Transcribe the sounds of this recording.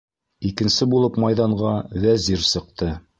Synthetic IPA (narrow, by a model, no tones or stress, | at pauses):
ikɘ̆nsɘbulˠɤpmɑjðɑɴʁɑwæziɾsɤ̆q̚t̪ɤ